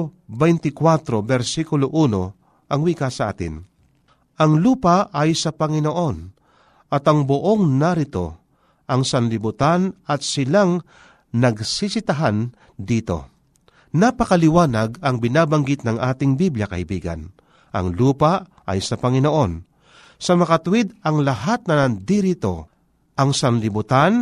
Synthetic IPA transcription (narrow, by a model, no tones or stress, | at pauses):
bɛjnt̪ɪkwat̪ɾo̞bɛɾsikʊloʔuːno̞ | ʔɐŋwiːkasɐʔa̰ːt̪ɪ̰n | ʔɐŋluːpaɐjsɐpɐŋɪnoʔo̞n | ʔɐt̪ɐŋboʔo̞ŋnɐɾɪt̪o̞̰ | ʔɐŋsɐnlɪbʊt̪anɐt̪̚sɪlaŋ | nɐɡsisɪt̪aɦan | d̪iːt̪o̞̰ | napɐkɐlɪwaːnɐɡɐŋbɪnaːbɐŋɡɪt̪̚nɐŋʔaːt̪ɪŋbibljakɐ̰ʔɪbiːɡa̰n | ʔɐ̰ŋluːpa | ɐ̰jsɐpɐŋɪnoʔo̞n | sɐmɐkɐt̪ʊwɪd̪ɐŋlɐɦat̪̚nɐnɐnd̪iɾɪt̪o̞̰ | ʔɐŋsɐnlɪbʊt̪an